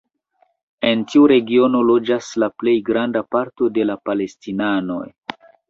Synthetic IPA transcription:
e̞ntiuɾe̞ɡio̞no̞lo̞d͡ʒaslaple̞jɡɾandapaɾto̞de̞lapale̞stinano̞̰j

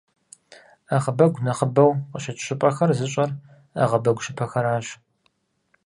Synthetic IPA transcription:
aʁəbɐɡʷnɐχəbɐwqəʃɐt͡ʃʼɕɪpʼɐxɐrzɨɕʼɐr | a̰ʁɐbɐɡʷʊʃɪpʰɐxɐɾaːɕ

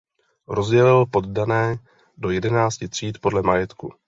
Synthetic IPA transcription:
ɾo̞zɟɛlɪlopo̞ddanɛː | do̞jɛdɛnaːt͡scɪt̪r̝̥iːt̪po̞dlɛmajɛt̪ku

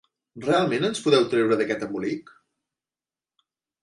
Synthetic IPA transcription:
realˠmenənspuðɛwt̪ɾewɾəðəkɛt̪əmulik

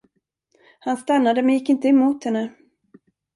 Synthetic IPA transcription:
hanst̪anːad̪əmɛnjɪkːɪnt̪əɛmuːt̪hɛnːə

